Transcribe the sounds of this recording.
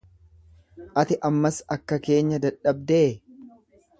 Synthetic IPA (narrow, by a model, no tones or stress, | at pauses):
ʔɐt̪ɪʔɐmːɐsɐkːɐke̞ːɲːɐd̪ɐᶑɐb̚d̪eː